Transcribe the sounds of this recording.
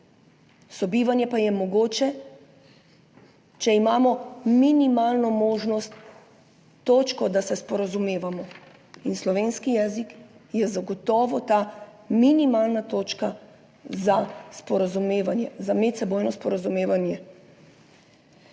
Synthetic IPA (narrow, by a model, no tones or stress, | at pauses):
sɔbiːʋanjɛpajɛmɔɡoːt͡ʃɛ | t͡ʃɛimaːmɔminimaːlnɔmoːʒnɔst̪ː | oːt͡ʃkɔd̪asɛspɔɾazumeːʋamɔ | inslɔʋeːnskijɛːzikjɛzaɡɔt̪ɔːʋɔt̪aːminimaːlnat̪oːt͡ʃka | zaspɔɾazumeːʋanjɛzamɛt̪sɛboːjnɔspɔɾazumeːʋanjɛ